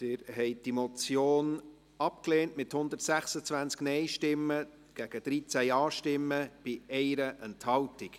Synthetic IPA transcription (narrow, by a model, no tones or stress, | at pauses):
tɪɾɦɛɪd̥imɔt͡sjoːn | ɑp̚kleːntmɪthʊnd̪ətsæχsət͡svænt͡sknɛɪʃtɪmːə | ɡ̥æɡ̥əd̥̪ɾit͡sæjɑːʃtɪmːəb̥ɪɛɪɾəʔɛnthɑltik